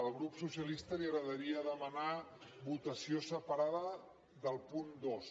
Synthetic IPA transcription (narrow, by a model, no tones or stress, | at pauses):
əlˠɣɾupsusiəlist̪əliəɣɾəðəɾiəðəmənaβut̪əsiosəpəɾaðə | ðəlˠpund̪os